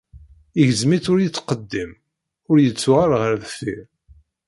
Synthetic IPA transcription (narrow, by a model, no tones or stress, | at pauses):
iʝəzmit͡sʊɾjit͡sːqəd̪ːim | ʊɾjət͡sːʊʁaɾʁəɾðfiɾ